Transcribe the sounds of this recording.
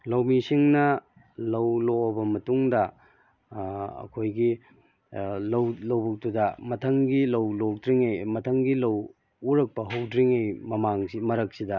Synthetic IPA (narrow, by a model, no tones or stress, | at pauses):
lɐwmisiŋnɐ | lɐwloɐbɐmɐtuŋdɐ | ɐ̰kʰojɡi | lɐwlɐwbuk̚tudɐmɐtʰɐŋɡilɐwlok̚dɾiŋejmɐtʰɐŋɡilɐw | uɾɐk̚pɐɦɐwdɾiŋejmɐmaŋsimɐɾɐk̚sidɐ